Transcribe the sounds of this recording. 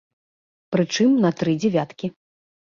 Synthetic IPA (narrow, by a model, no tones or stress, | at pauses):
pɾɨt͡ʂɨmnɐt̪ɾɨd͡zʲɛvʲat̪kʲi